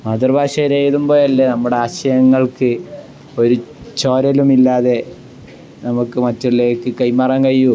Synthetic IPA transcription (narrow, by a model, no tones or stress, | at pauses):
mad̪ɐrbʱaːʂɐɾejðumbo̞ːlɐlːenɐmːuɽe̞aːɕɐjɐŋːɐɭkɨ | o̞ɾut͡ɕo̞ːɾɐlumilːaːðe̞ | nɐmukːɨmɐtːuɭleːkːɨkɐjmɐrɐːŋkɐjːu